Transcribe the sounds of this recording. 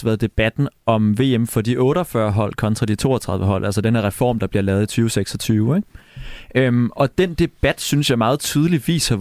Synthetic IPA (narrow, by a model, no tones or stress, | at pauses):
ʋæːð̩ˠd̥e̝b̥æd̥n̩ʔɒ̽mʋe̝ːemfɒ̽dḭʔɔ̽ːɾɒfɶɐɦɒ̽l̰kʰɒ̽nt͡sʰʁɑ̈d̥it͡sʰo̝̰ːɒt͡sʰʁɑ̈ðˠʋəɦɒ̽l̰ʔælsəd̥enəʁɛfɒ̰ːmd̥ɑ̈b̥liɐlɛːʊð̞̩ˠit͡sʰyːʊseɡ̥sɒ̽t͡sʰyːʊeŋ̥ | ømɒ̽d̥end̥e̝b̥æd̥synsjɑ̈ɪmɑ̈ːð̩ˠt͡sʰyːðˠəliʋḭːshɑ̈